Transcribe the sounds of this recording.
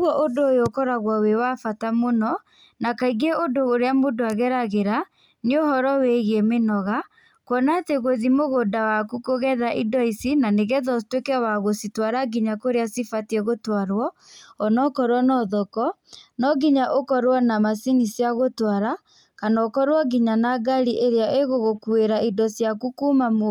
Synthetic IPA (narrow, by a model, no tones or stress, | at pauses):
ɣɔʔodoːjokɔɾaɣwawewafatamonɔ | nakaiɡeodooɾeamodoaɣɛɾaɣeɾa | neohɔɾɔweɣemenɔɣa | kwɔnateɣoðimoɣodawakukoɣɛðaʔidɔisinaneɣɛðɔtwekɛwaɣositwaɾaɡiɲakoɾeasifatiɛɣotwaɾwɔ | ɔnɔkɔɾwɔnɔðɔkɔ | nɔɡiɲaʔokɔɾwɔnamasinisiaɣotwaɾa | kanakɔɾwɔɡiɲanaɡaɾiʔeɾeaʔeɣoɣokueɾaidɔsjakukuːmamo